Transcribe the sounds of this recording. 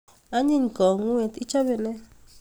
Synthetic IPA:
a˦ɲi˦˨ɲ˨kɔ˨ŋwe˨t̪i˦t͡ʃa˦βɛ˨nɛ˦

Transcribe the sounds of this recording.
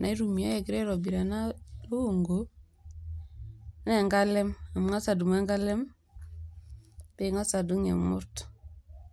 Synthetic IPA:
nʔa˨˦i˦ɾu˨mi˨a˦je˨ɡi˦ɾe˦ɾo˨bi˨ɾa˨na˦lo˦u˨ŋɡo˨ | ne˦˨ŋɡa˦lɛ˦ma˨m˨ŋa˦sa˨du˨ma˦ŋɡa˦lɛ˦m | be˨ŋa˦sa˨du˦ŋḛ˨mṵ˦ɾt

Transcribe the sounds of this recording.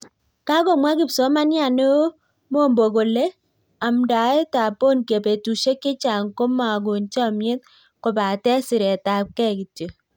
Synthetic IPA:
ka˦ko˨mwa˦kɪ˦pso˨˦ma˦nja˦˨ne˦ | mo˦mbo˨ko˨le˦ | a˨mda˨e˦ta˨po˦nke˨pe˨tu˨ʃe˦kːɪ˦t͡ʃa˨ŋko˦ma˨ɡ̬u˨nt͡ʃa˦mje˦t̚ | ko˨ba˨tɛ˦sɪ˨ɾɛ˨ta˨p̚kɛ˦ki˨tjo˨

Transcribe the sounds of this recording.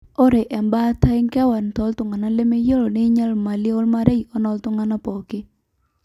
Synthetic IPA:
ɔ˦ɾe˨ʔɛ˨mba˦ta˦ɪ˦ŋkɛ˦wa˨n˨t̪ɔ˨˦ltʊ˨ŋa˨na˦le˦me˦jo˦lo˨ne˦ɲa˦lma˨lɪ˦o˦lma˦ɾe˦i˨ɔ˦nɔ˨ltʊ˦ŋa˨na˦pɔ˨kɪ˦

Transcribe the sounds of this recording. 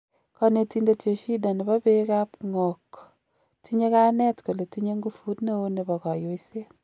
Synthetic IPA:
kɔ˦ne˨tinde˨tjo˨ʃi˦da˨nɪ˨ba˦beka˦pŋɔ˨k | tʰi˦ɲe˦ka˦nɛ˦tko˨le˨ti˦ɲe˦ŋɡu˦fu˦tne˦o˦nɪ˨bɔ˨kɔ˨jo˦ise˦

